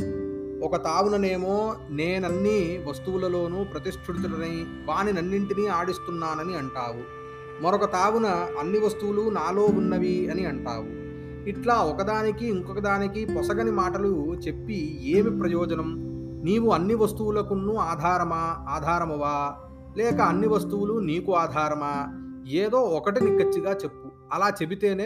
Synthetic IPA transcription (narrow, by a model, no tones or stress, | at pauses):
ɔkɐt̪aːwunɐne̞ːmoːneːnɐnːiʋɐst̪uwulɐlo̞ːnupɾɐt̪iʂʈʰuɽut̪unɐni | ʋaːninɐnːiɳʈiniːaːɽist̪unːaːnɐniɐɳʈaːwu | mɐɾɔkɐt̪aːʋunɐɐnːiʋɐst̪uwulunaːlo̞ːunːɐʋiɐniɐɳʈa̰ːwu | iʈlaːɔkɐd̪aːnikiːŋkɔkɐd̪aːnikipɔsɐɡɐnimaːʈɐlut͡ʃe̞pːieːmipɾɐjɔːd͡ʒɐnɐm | niːwuɐnːiʋɐst̪uwulɐkunːuaːd̪ʱaːɾɐmaːaːd̪ʱaːɾɐmɐʋaː | lɛːkɐːnːiʋɐst̪uwuluniːkuaːd̪ʱaːɾɐmaːeːd̪o̞ːɔkɐʈinikːɐt͡ʃːiɡaːt͡ʃe̞pːu | ɐlaːt͡ʃe̞bit̪e̞ːneː